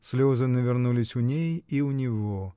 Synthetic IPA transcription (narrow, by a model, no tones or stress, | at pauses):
sʲlʲozɨnəvʲɪrnulʲɪsʲʊnʲejiʊnʲɪvo